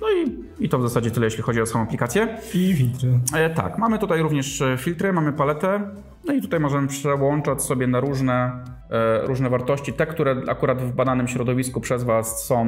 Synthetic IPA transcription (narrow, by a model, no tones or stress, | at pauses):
nɔi | it̪ɔvzasad͡ʑɛt̪ɘlɛjɛɕlʲixɔd͡ʑiɔsaɔ̃aplʲikat̪sʲjɛifʲilt̪ɾɛt̪a̰kmamɘt̪ut̪ajɾuvɲɛʂfʲilt̪ɾɘmamɘpalɛt̪ɛ | nɔit̪u̥t̪ajmɔʐɛmɘpʂɛwɔnt͡ʂat͡ɕsɔbʲjɛnaɾuʐnɛ | ɾuʐnɛvaɾt̪ɔɕt͡ɕit̪ɛkt̪uɾɛa̰kuɾad̪vbad̪anɘmɕɾɔd̪ɔvʲiskupʂɛzvasːɔ̃w̃